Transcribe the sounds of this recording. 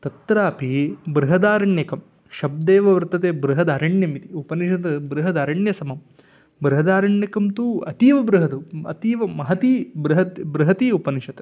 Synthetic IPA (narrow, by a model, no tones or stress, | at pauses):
t̪ɐt̪ɾaːpibɾɨɦɐd̪aːɾɐɳjɐkɐm | ʃɐb̚d̪eːʋɐʋɾt̪ɐt̪eːbɾɨɦɐd̪aːɾɐɳjɐmit̪iupɐniʃɐt̪ɐbɾuɦɐd̪aːɾɐɳjɐsɐmɐm | bɾuɦɐd̪aːɾɐɳjɐkɐmt̪uɐt̪iːʋɐbɾuɦɐd̪uɐ̰t̪iːʋɐmɐɦɐt̪iːbɾɨɦɐt̪bɾuɦɐt̪iupɐniʂɐt̪ɐ